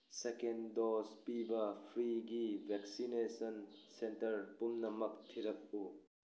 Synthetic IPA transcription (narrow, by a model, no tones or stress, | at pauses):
sekendɔspibɐpʰɾiɡibʱɛksinesɐnsentɐɾpumnɐmɐk̚tʰiɾɐk̚u